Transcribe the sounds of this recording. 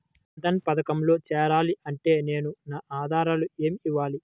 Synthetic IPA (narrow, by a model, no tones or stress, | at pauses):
ɐd̪ɐnpɐd̪ɐkɐmlo̞ːt͡ʃɛːɾaːliʔɐɳʈe̞ːne̞ːnunaːʔaːd̪ʱaːɾalue̞ːmiʋːaːli